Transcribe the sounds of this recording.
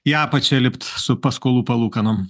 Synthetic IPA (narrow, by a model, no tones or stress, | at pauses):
jæːpɐt͡ʃʲɛlʲɪpt̪sʊpɐskoːlˠuːpɐlˠuːkɐnom